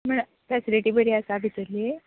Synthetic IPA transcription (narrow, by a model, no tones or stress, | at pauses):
məɳ | fɛsiliʈiːbəɽiasabʱit̪əɾle